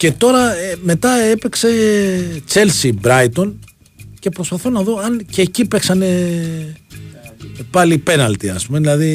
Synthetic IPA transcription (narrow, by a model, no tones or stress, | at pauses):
ce̞t̪o̞ɾɐeme̞t̪ɐe̞pekse̞ | t͡se̞lsibɾɐit̪o̞n | ce̞pɾo̞spɐθo̞nɐðo̞ɐncecipeksɐne̞ | pɐlipe̞nɐlt̪iɐ̰spume̞ðilɐði